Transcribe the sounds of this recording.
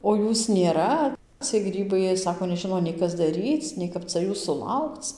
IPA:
oː ˈjuːs nʲeːˈrɐ t͡sʲiɛj ˈɡrʲiːbɐɪ ˈjiɛ ˈsɑːkoː nʲɛˈʒʲɪnoː nʲɛɪ ˈkɐs dɐˈrʲiːt͡s nʲɛɪ ˈkɐp t͡sɐ ˈjuːs sʊˈlˠɐʊkt͡s

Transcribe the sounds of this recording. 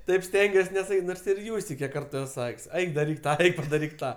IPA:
ˈtɐɪp ˈsʲtʲɛŋʲɡʲuɔs nʲɛsɐˈkʲiːtʲ ˈnoːrs ɪr ˈjuːsʲtʲɛɪ ˈkʲiɛk ˈkɐrtʊ ˈɛs ˈsɐkʲsʲ ˈɛɪk dɐˈrʲiːk ˈtɑː ˈɛɪk pɐdɐˈrʲiːk ˈtɑː

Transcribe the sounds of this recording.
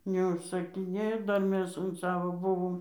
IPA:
nʲɛʊʃsɐkʲɪˈnʲeːjoː ˈdɐr ˈmʲɛs ʊn ˈsɑːʋoː ˈbʊʋoːm

